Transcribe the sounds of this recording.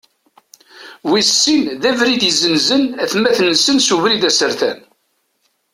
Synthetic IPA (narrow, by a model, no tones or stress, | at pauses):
wisːinðævɾid̪iəzənzənæθmːæθnːəsənsuvɾid̪æsəɾθæ̰n